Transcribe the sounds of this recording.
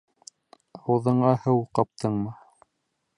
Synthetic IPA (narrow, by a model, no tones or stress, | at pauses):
ɑwɤðɤ̆ɴɑhɤwqɑp̚t̪ʰɤɴmɤ